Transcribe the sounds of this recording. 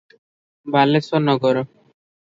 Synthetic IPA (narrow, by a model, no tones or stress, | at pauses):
balesɔnɔɡɔɾɔ